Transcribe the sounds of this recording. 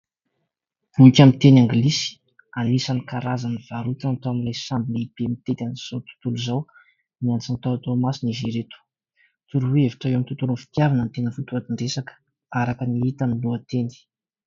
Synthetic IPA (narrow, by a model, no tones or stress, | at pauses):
uikʲamint̪enaŋɡilisi̥ | animisanikaɾazaniv̥aɾut̪ant̪oamilajsambileib̥emit̪et̪aniz̥awt̪u̥t̪uluzaw | miant͡sant̪aat̪omasiniziɾet̪u̥ | t̪uɾuweeviʈ͡ʂaamint̪ut̪ulunfi̥t̪javanant̪enəfut̪uat̪iɳɖ͡ʐesakə̥ | aɾakəniit̪aniluət̪eni̥